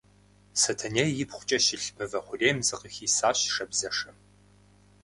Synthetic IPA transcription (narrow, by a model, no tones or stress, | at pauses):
sɐtʰɐnejjɪpχʷʊ̥t͡ʃʼɐɕɪɬpʰɨvɐχʷʊɮeːmzɨqəxiːsaːɕʂɐbzɐʂɐ